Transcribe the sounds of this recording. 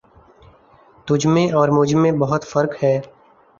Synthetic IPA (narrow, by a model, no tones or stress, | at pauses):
t̪ʊd͡ʒʱmẽʔɔːɾmʊd͡ʒmẽbɐɦʊt̪fɐɾkhɛː